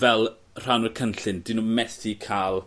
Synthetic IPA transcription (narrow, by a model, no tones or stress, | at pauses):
vɛlˠ | r̥anɔkʰənɬɪndɪnumɛstʰikʰaːlˠ